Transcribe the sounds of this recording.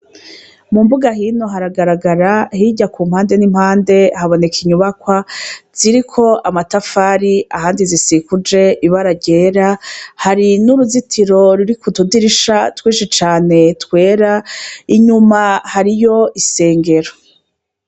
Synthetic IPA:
mumbuɡaɦiːno̞ɦaɾaɡaɾaɡaɾahiɟakum̥haːnde̞nimhaːnde̞haβo̞ne̞kʰiɲuβakwaz̥iɾikʰo̞ʔamatafaːɾiahaːndizisikud͡ʒe̞ʔiβaɾaɟe̞ːɾahaɾinuɾuzitʰiɾo̞ɾuɾikutudiɾiʃatwiːʃit͡ʃaːne̞tkwe̞ːɾaiɲumahaɾijo̞ʔise̞ːŋɡe̞ɾo

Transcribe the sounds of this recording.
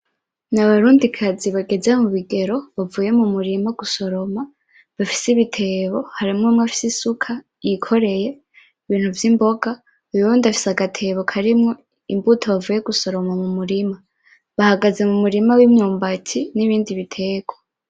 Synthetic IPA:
naβaɾuːndikʰaziβaɡe̞zemuβiɡe̞ɾo̞βavuːje̞mumuɾimaɡ̥uso̞ɾo̞ma | βafi̥siβitʰe̞ːβo̞haɾimŋomŋafi̥sisukʰa | jikʰo̞ɾe̞je̞ | iβiːn̥huvjimbo̞ɡa | uβuβuːndafi̥saɡatʰe̞βo̞kʰaɾimŋo̞ | imbutʰoβavuːje̞ɡuso̞ɾo̞mamumuɾima | βahaɡaze̞mumuɾimawimɲuːmbatʰiniβiːndiβitʰe̞ːɡwo

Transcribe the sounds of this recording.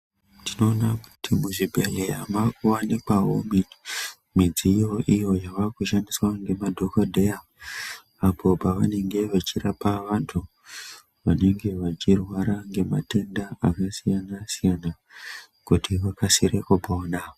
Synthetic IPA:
tino̞ːnaku̥timuʐibʱeleamakuwanikwawomi | mid͡zijo̞ʔijo̞jaʋakuʃaniswaŋɡe̞madʱo̞kodʱeja | apʰo̞paʋane̞ŋɡe̞ʋat͡ʃirapaʋantʰu | ʋane̞ŋɡe̞ʋat͡ʃirwaɾaŋɡe̞ma̰te̞ndaakasijanasijana | kutiʋakasiɾekupaona

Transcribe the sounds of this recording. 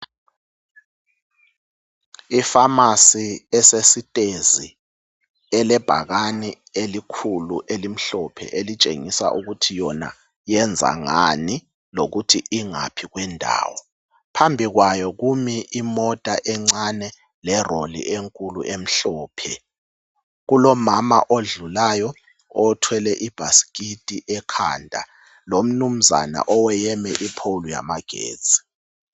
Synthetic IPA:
ifamasiɛsesitʼezi | ɛlɛb̥ʱaɣani | elikʰuluʔelim̩ɬɔpʰɛ̰ʔelit͡ʃʼḛŋisa̰ʔuɣutʰijɔna̰ | jɛnd͡zʱa̰ŋani | loɣutʰiʔiŋa̰pʰiɣwɛndʱa̰ːwɔ | pʰambʱiɣwajɔɣumiʔimɔtʼaʔɛŋ͡ǀanɛ | lɛrolḭʔeŋkʼuluʔem̩ɬɔːpʰɛ | ɣulɔmama̰ʔoɮulajɔ | ɔtʰwɛlɛʔib̥ʱasi̥kʼitʼiʔɛkʰa̰ːndʱa̰ | lom̩num̩za̰na̰ʔɔwɛjɛmɛʔipʰouluja̰maɡ̥ʱḛ̥ːd͡zʱʼi̥

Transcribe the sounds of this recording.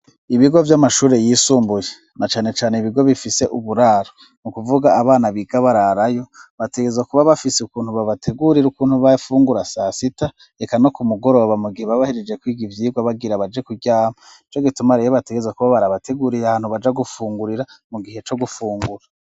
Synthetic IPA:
iβiɡo̞vjamaʃuːɾe̞jiːsuːmbuje | nat͡ʃaːne̞t͡ʃaːne̞iβiɡo̞βifise̞ʔuβuɾaːɾo | nukuvuɡaːβaːnaβiɡaβaɾaɾajo̞βateɡezakuβaβafiseukuːnhuβaβatʰe̞ɡuɾiɾukuːnhuβafuːŋɡuɾasasita | ekano̞kumuɡo̞ɾo̞βamuɡiheβaβahiɾed͡ʒe̞kwiːɡivjiːɡwaβaɡiɾaβad͡ʒe̞kuɟaːma | it͡ʃo̞ɡitumaɾejoβateɡezakuβaβaɾaβate̞ɡuɾijahaːnhuβad͡ʒaɡufuːŋɡuɾiɾamuɡihe̞t͡ʃo̞ɡufuːŋɡuɾa

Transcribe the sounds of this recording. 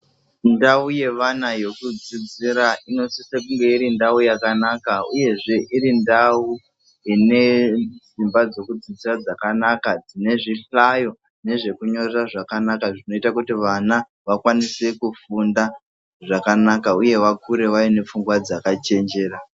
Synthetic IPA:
ndauje̞ʋanajo̞kud͡zid͡ziɾaino̞sisekuŋɡe̞iɾindaujakanakauje̞ʐe̞ʔiɾindau | ine̞d͡zimbad͡zo̞kud͡zid͡zirad͡zakanakad͡zine̞ʐiɬajo̞ | ne̞ʐe̞kuɲo̞reraʐakanakaʐino̞itakutiʋana | ʋakwanise̞kufunda | ʐakanakauje̞ʋakuɾe̞ʋaine̞p͡fuŋɡwad͡zakat͡ʃe̞nd͡ʒe̞ːɾa

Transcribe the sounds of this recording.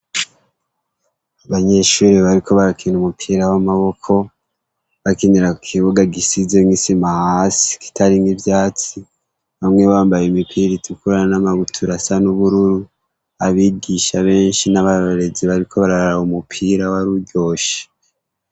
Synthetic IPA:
aβaɲe̞ʃuːɾiβaɾikʰo̞βaɾakʰinumupʰiːɾawamaβo̞kʰo̞ | βakiniɾakʰiβuɡaɡisizemŋisimahaːsi̥ki̥taɾiŋɡivjaːt͡si | βamŋe̞βaːmbajeimipʰiɾitukuɾanamaɡutʰuɾasanuβuɾuɾu | aβiːɡiʃaβe̞ːnʃinaβaɾoɾe̞ziβaɾikʰo̞βaɾaaɾahumupʰiːɾawaɾuɟo̞ːʃe̥

